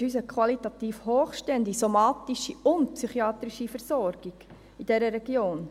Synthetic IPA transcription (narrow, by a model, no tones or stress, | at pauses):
yːs̬əkʰwɑlit̪ɑt̪iːfhoːχʃtɛnd̪ɪɡsomɑːt̪iʃiʊnt̪psyχiɑːt̪ɾiʃifɛɾsɔɾɡ̥iɡ̥ | id̥ɛɾəɾɛɡ̥joːn